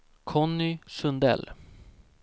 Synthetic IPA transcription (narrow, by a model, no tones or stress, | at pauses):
kʰɔnːʏsɵnd̪ɛ̰l